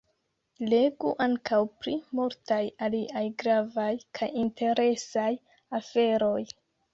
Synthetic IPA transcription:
le̞ɡuʔaŋkawpɾimuɾtajaliʔajɡɾavajkʰajintʰe̞ɾe̞saj | afe̞ɾo̞j

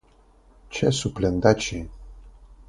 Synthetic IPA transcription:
t͡ɕʰɛsuplɛnd̪at͡ɕi

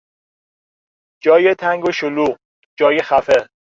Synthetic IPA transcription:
d͡ʒɒːjet̪ʰæŋɡoʃoluːʁ | d͡ʒɒːjexæfe

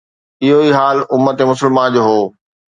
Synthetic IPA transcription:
ɪɦoiɦaːlʊmːət̪emʊsəlmãnd͡ʑoːɦoː

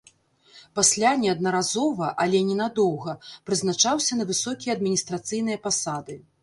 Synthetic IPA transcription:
pasʲlʲanʲɛɐd̪nɐɾazɔvɐʔɐlʲɛnʲɛnad̪ɔwɣɐpɾɨznat͡ʂawsʲɐnɐvɨsɔkʲijɐɐd̪mʲinʲist̪ɾat̪sɨjnɨjɐpasad̪ɨ

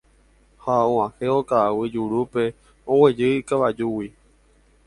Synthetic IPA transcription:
haõãheokawɨd͡ʒuɾupe̞ | owed͡ʒɨikaʋad͡ʒuwi

